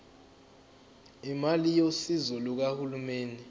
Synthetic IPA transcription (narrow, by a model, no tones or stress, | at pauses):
imalijosizuluk̬ahulumeːni